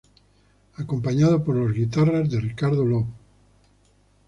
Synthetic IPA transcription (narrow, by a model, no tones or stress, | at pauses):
akompaɲaðopoɾlozɣit̪̬arazðerikaɾðoloβ